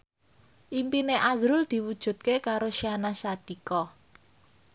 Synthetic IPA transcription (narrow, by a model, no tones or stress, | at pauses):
ʔimpineʔazɾʊld̪̥i̤wud̥ʒ̥ṳt̪̚kekaɾoʃianasad̪̥i̤kɔ